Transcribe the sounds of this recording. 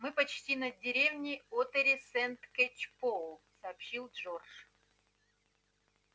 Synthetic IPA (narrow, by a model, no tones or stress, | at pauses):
mɨpɐt͡ɕtʲinɐdʲɪɾʲevnʲɪot̪əɾʲɪsɛnt̪kʲet͡ɕpolˠsɐːpɕilˠʐorʂ